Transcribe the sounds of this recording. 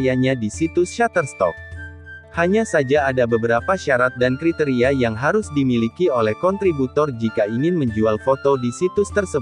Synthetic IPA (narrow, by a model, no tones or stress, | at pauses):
jaɲadisit̪ʊsʃat̪ərst̪ɔ̰k̚ | haɲasad͡ʒaːdabəbəɾapaʃaɾat̪̚dankɾit̪ɛɾiajaŋɦaɾʊsdimilikiolɛhkɔnt̪ɾibut̪ɔrd͡ʒikaiŋɪnməɲd͡ʒualfot̪odisit̪ʊst̪ərsə